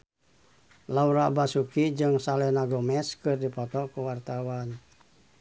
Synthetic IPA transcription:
lauɾabasukid͡ʒɨŋsalɛnaɡɔmɛskɨrdipɔt̪ɔkuwart̪awan

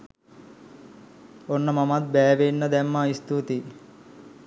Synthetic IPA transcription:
onːɐmɐmat̪̚bɛːʋenːɐd̪ɛmːaist̪ut̪i

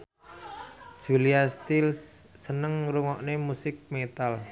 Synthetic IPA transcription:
d̥ʒ̥uliast̪ilsːənəŋɾuŋɔʔnemusɪk̚met̪al

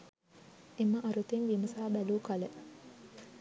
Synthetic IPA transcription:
eməʔɐɾut̪eŋʋimɐsaːbæluːkɐlə

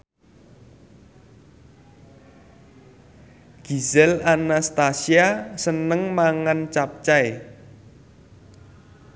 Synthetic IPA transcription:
ɡ̥i̤zɛlanast̪asiasənəŋmaŋant͡ʃap̚t͡ʃae

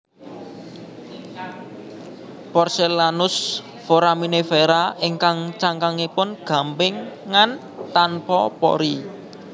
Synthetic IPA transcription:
pɔrselanʊs | foɾaminefeɾaʔɪŋkaŋt͡ʃaŋkaŋipʊnɡ̥a̤mpɪŋːan | t̪anpɔpɔ̰ɾi

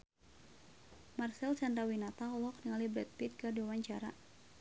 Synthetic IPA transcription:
marsɛlsandɾawinat̪aɦɔlɔk̚niŋalibɾɛt̪̚pit̪̚kɨrdiwawaɲt͡ʃaɾa̰

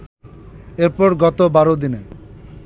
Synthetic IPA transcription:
eɾpɔɾɡɔt̪obaɾod̪ine

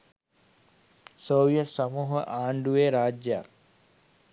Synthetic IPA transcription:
soːʋijət̪samuːɦə̰ʔaːɳɖuʋeːɾaːd͡ʒja̰

